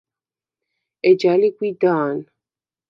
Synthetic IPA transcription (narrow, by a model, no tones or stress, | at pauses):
ɛd͡ʒalikwid̪aːn